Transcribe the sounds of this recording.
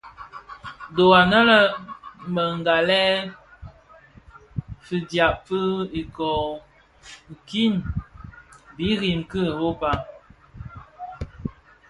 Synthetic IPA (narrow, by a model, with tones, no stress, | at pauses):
do˨a˨nə˦lə˦˨mə˨ŋ˨ɡa˨lɛ˦ | fi˨dja˨pfə˦i˨kɔ˨ | ŋ̩˨ki˦˨n | bi˨˦ɣi˨mkə˦˨bo˦pa˦